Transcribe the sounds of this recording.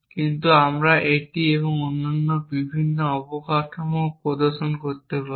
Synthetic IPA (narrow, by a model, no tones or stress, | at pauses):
kint̪uamɾaʔeʈieβoŋonːanːobibʱinːoɔbokatomopɾɔd̪oɾʃonkoɾt̪epa